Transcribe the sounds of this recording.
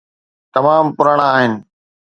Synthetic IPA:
t̪ɐmaːmpʊɾəɽ̃aːɦɪnɪ̆

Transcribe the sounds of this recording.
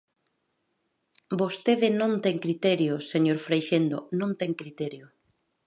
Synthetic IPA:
bost̪eðɪnõnt̪ɛŋkɾit̪ɛɾjoseɲoɾfɾejʃend̪onõnt̪ɛŋkɾit̪ɛɾjo

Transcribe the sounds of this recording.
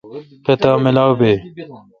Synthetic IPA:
pet̪aːmɪlaːwbeː

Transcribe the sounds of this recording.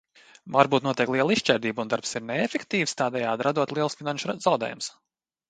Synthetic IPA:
vaɾbuːt̪nuɔt̪iɛklˠiɛlˠiʃt͡ʃɛɾd̪iːbund̪aɾpsiɾneefekt̪iːfst̪aːd̪ɛjaːd̪ɾad̪uɔt̪lˠiɛlˠsfinanʃzawd̪ḛːjums

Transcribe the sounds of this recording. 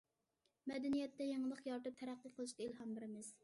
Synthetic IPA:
mɛd̪ɛnijɛt̪ːɛjeŋəlˠəqjɑɾt̪ɨp̚t̪ʰæɾæqːɨqʰəlˠɨʃkʲɑilɦɑmbɪɾɪmɪz̥

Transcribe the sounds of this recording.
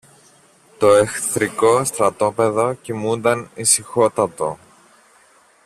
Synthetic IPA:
t̪o̞exθɾiko̞st̪ɾɐt̪o̞pe̞ðo̞cimund̪ɐnisixo̞t̪ɐt̪o̞

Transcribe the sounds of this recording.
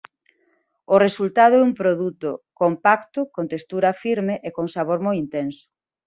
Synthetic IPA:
ʊresult̪að̞ʊɛũmpɾoðut̪ʊkompakt̪ʊkont̪est̪uɾɐfiɾmeʔekoŋsaβ̞oɾmojint̪ensʊ̥

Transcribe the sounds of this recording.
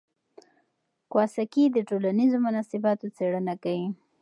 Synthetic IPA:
kwɑsakid̪əʈolanizomʊnɑsɪbɑt̪ot͡seɽənakawi

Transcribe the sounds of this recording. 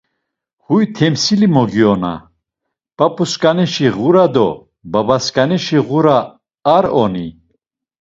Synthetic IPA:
hujt̪ʰɛmsilimɔɡiɔna̰ | pʼapʼuskʼanɛʃiʁuɾad̪ɔ | babaskʼanɛʃiɣuɾaː | ɾɔni

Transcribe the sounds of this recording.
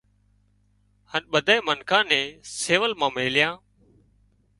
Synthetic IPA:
hənɓəd̪ʱaːeːmənkʰãːnɛ̃ːseːʋəlmãːmeːlɪjãː

